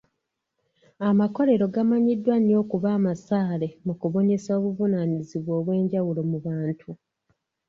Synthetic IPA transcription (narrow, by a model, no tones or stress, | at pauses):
amako̞ɾe̞ɾo̞ɡamaɲidːwanijo̞ːkuβaːmasaːle̞mukuβo̞ɲe̞saoːβuvunaniziβwo̞ːβwe̞ːɲɟawulo̞muβaːntʰu